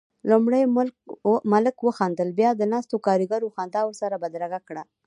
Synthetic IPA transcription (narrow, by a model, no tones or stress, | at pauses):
lumɽajmʊmaləkwəxɑnd̪əlbjɑd̪ənɑst̪okɑɾiɡaɾoxɑnd̪ɑwəɾsaɾabad̪ɾaɣakɽa